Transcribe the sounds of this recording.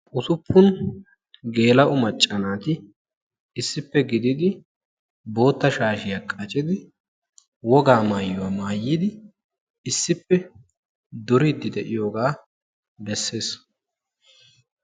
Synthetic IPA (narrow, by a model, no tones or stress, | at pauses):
ʔʊsʊpʰːʊn | ɡe̞ːlɐʔʊmɐt͡ʃʼːɐnaːt̪ɪ | ɪsːɪpːɛɡɪd̪ɪd̪ɪ | bo̞ːt̪ːɐʃaːʃɪjakʼɐt͡ʃʼɪd̪ɪ | wɔɡaːmaːjːʊwaːmaːjːɪd̪ɪ | ɪsːɪpːɛ | d̪ɔɾɪd̪ːɪd̪ɛʔɪjo̞ːɡaː | bɛsːe̞ːs